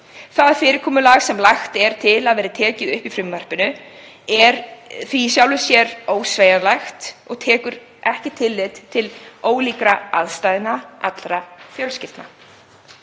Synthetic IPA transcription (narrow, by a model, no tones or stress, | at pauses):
θaðfɪːɾɪɾkʰɔːmʏlaːɣsɛmlaxt̪ɛɾ̥t̪ʰɪlaðvɛːɾɪt̪ʰɛːcɪðʏhpifɾʏmːar̥pɪnʏ | ɛɾθvisjawlʏsjɛɾoːwsveːjalajxt̪ɔɣt̪ʰɛːkʏɾ | ɛhcɪt̪ʰɪlːɪt̪t̪ʰɪloːwliːkɾaa̰ðst̪ajðɪnaʔat̪lɾafjœlscɪft̪na̰